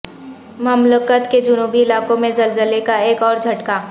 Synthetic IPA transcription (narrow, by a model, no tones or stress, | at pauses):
məmləkət̪ked͡ʒʊnuːbiɪlaːkõmẽzɐlzəlekaeːkɔːɾd͡ʒʱɐʈkaː